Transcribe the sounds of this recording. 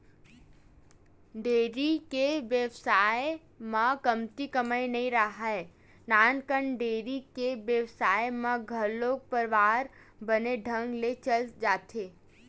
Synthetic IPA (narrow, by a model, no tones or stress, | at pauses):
ɖeːɾikeʋjəʋsaːe | mãkəmt̪ikəməjnɐɦĩɾaɦae | naːnkəɳɖeːɾikeʋjəʋsaːjmãɡʱɐɾloːɡ̚pəɾʋaːɾ | bəneɖʱə̃ŋɡlet͡ʃəld͡ʒaːt̪ʰeː